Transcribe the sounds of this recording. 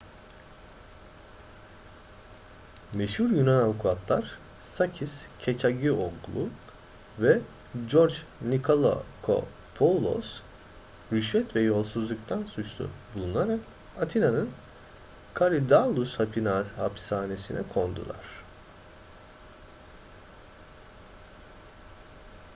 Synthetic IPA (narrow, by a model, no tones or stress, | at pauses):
meʃhuɾjynanavukʰuat̪lˠaɾ̥ | sacʰiscʰet͡ʃʰaɟioɡlˠu | vɛ | d͡ʒoɾd͡ʒnikʰolˠo̰kʰo̰ | pʰolˠo̰s | ɾyʃvɛt̪vɛjo̞lˠsuzlˠukt̪ʰansut͡ʃlʰˠṵbulˠunaɾak | at̪ʰinanɯn | kʰaɾid̪alˠushapʰinahapsaːne̞sinʔɛkʰo̞nd̪ṵlˠa̰ɾ̥